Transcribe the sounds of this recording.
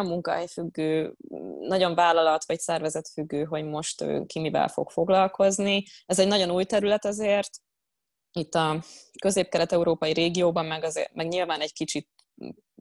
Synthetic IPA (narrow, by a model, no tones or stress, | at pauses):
mːuŋkɒ̰ɦɛjfyɡːøːnɒɟo̞ɱvaːlɒlɒt̪ʋɒcsɛrvɛzɛt̪fyɡːøːɦo̞ɟmo̞ʃt̪ø̰ːkimivɛ̰lfo̞̰kfo̞ɡlɒlko̞zniɛzɛɟnɒɟo̞nuːjt̪ɛɾylɛt̪ɛzeːrt̪ | it̪ːɒkø̞zeːp̚kɛɾɛt̪ɛuɾoːpɒjiɾeːɡijoːbɒmːɛɡɒzḛmɛɡɲilvaːnɛɟkit͡ʃit̪̚